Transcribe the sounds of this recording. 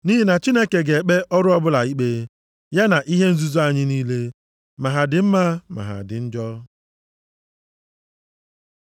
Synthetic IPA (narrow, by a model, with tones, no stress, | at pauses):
ni˦ɦi˦na˨t͡ʃi˦ne˦ke˨ɡe˨k͡pe˦ʔɔ˦ɾʊ˦ɔ˦bʊ˦la˨i˦k͡pe˦ | ja˦na˨ʔi˦ɦe˦n̩˦zu˦zu˦a˨ɲɪ˦niː˦le˦ | ma˨ɦa˨dɪ˨m̩˦ma˦ma̰˨ɦa̰˨dɪ̰˨n̩˦d͡ʒɔ˦